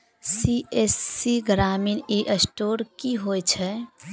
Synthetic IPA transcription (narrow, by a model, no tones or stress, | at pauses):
siesːiɡɾamineʔəsʈoɾkiɦojt͡ʃʰɛ